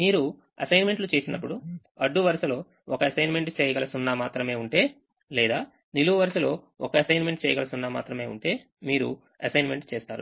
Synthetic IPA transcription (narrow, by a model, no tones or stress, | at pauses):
miːɾu | ɐ̰sɐjnme̞ɳʈlut͡ʃe̞ːsinɐpːuɽu | ɐɖːuʋɐɾsɐlo̞ː | ɔkɐɐsɐjnme̞ɳʈt͡ʃɛːjɐɡɐlɐsunːaːmaːt̪ɾɐme̞ːuɳʈe̞ː | lɛːd̪aː | niluʋɐʋɐɾsɐlo̞ː | ɔkɐɐsɐjnme̞ɳʈt͡ʃɛːjɐɡɐlɐsunːaːma̰ːt̪ɾɐme̞ːṵɳʈe̞ː | miːɾu | ɐsɐjnme̞ɳʈt͡ʃeːst̪aːɾṵ